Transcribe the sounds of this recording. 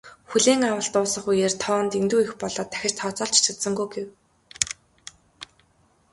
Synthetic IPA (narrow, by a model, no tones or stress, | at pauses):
xuɮeːŋawə̆ɬt̪ʊːsɞ̆χujeːrʲt̪ʰɔːnt̪int̪uːixpɔɮɔːt̪ʰːæ̥xʲɪ̆t͡ɕt̪ʰɔːt͡sɔːɬt͡ɕt͡ɕʰăt̪sə̆ŋɡujɡew